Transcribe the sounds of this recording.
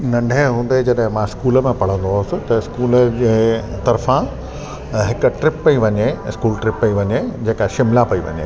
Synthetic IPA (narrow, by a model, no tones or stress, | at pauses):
nɐ̃ɳɖʱeɦũːnd̪ed͡ʑɐɗɦɪ̃mãːɪskuːləmẽpɐɽ̤ə̃nd̪oʊsɪ̆t̪ɐskuːld͡ʑeːt̪ɐɾfã | ɦɪkʈɾɪpːɐiʋɐɲeɪskuːlʈɾɪpːɐiʋɐɲed͡ʑeːkaʃɪmlapɐiʋɐ̰ɲḛ